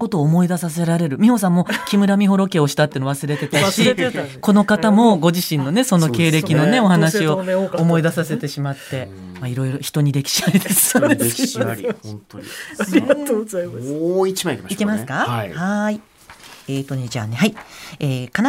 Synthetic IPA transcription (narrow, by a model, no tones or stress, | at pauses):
ko̞t̪o̞ːmo̞id̪asas̬e̞ɾaɾe̞ɾɯ̟mʲiho̞s̬ãmːo̞kʲimɯ̟ɾamʲiɦo̞ɾo̞ke̞oɕi̥t̪at̪ːeɯnoβasɨɾe̞t̪e̞t̪aɕiko̞no̞kat̪amo̞ɡo̞ʑiɕĩnːone̞so̞no̞ke̞ːɾe̞kʲino̞ne̞o̞hanaɕio̞ːmo̞id̪asase̞t̪e̞ɕimat̪ːe̞ | maiɾo̞iɾo̞çi̥t̪o̞ɲ̟iɾe̞kʲi̥ɕaid̪esɨ̥sod̪es | t̪ɾʲiatoːɡo | it͡ɕãikʲemikʲemasɨ̥kahai | eːt̪o̞ɲid͡ʑa̰ːnehaieːkan